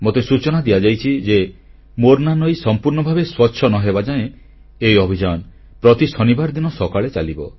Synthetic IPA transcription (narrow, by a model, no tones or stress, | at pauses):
mot̪esut͡ʃɔnad̪iad͡ʒajt͡ʃʰid͡ʒe | moɾnanɔjsɔmpuɾnɔbʱabeswɔtːʃʰɔnɔɦebad͡ʒaẽ | ejɔbʱid͡ʒaɔn | pɾɔt̪isɔnibaɾd̪inɔsɔkaɭet͡ʃalibɔ